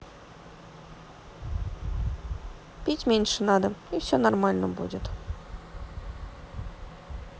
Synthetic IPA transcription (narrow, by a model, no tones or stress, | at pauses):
pʲitʲmʲenʲʂɘnɑd̪əifsʲonormalʲnəbṵdʲɪt̪